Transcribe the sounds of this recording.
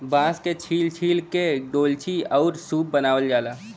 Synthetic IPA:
bãːsket͡ʃʰiːlt͡ʃʰiːlkeɖoːlt͡ʃʰiɔːɾsuːp̚bənaːʋəld͡ʒaːlaː

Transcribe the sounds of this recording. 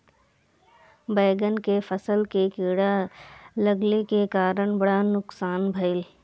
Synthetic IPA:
bəːɡənkepʰəsəlkekiːɽaləɡlekekaːɾəɽ̃bəɽanʊksaːnbʱəɪl

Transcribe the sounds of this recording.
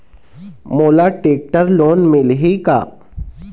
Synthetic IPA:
moːlaːʈeːk̚ʈəɾloːnmɪlɦika̰ː

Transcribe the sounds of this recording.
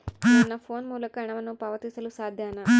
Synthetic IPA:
nɐnːɐfʰoːnmuːlɐkɐɐɳɐʋɐnːupaːʋɐt̪isɐlusaːd̪ʱjaːnɐ

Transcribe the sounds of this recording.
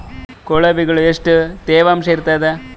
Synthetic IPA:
koɭɐbiɡɐɭueʂʈɨt̪eːʋaːmsejɾt̪ɐd̪e

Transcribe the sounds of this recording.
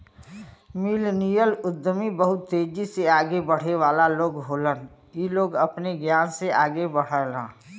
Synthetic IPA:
miːlnijəlʊd̪ːəmibəɦʊt̪ːeːd͡ʒiseaːɡebəɽ̤eʋaːlaloːɡɦoːlən | iloːɡɐpneɡjaːnseaːɡebəɽ̤əlã̰ː

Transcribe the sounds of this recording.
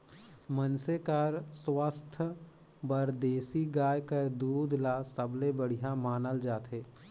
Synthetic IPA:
mənsekəɾswast̪ʰ | bəɾd̪eːsiɡaːjkəɾd̪uːd̪ʱlasəblebəɽ̤ijamaːnəld͡ʒaːt̪ɦeː

